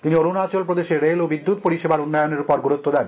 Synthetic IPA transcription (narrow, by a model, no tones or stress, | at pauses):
t̪inioɾunat͡ɕolpɾod̪eʃeɾelobid̪ːut̪̚poɾiʃebaɾunːajoneɾpɔɾɡuɾut̪ːod̪ɛn